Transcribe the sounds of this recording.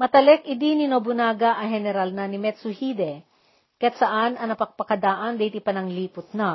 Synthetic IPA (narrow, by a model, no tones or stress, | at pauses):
mɐt̪ɐlɛkɪd̪ininobʊnaːɡaʔɐɦɛnɛɾalnanɪmɛt̪sʊhiːd̪ɛ | kɐjat̪sɐʔanɐnɐpɐk̚pɐkɐd̪aːʔɐnd̪ɛjt̪ipɐnɐŋliːpʊt̪̚na